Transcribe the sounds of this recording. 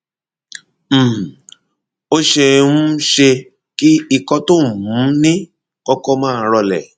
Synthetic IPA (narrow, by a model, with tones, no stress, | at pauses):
o˦ʃe˧ũ˦ʃe˧ | ki˦i˧kɔ˧to˦˨mũ˨˦nĩ˦ | kɔ˦kɔ˦mãː˦˨ɾɔ˧lɛ˨